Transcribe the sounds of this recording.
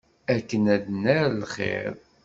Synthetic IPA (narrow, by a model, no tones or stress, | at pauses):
ækːənæd̪næɾlχḛɾ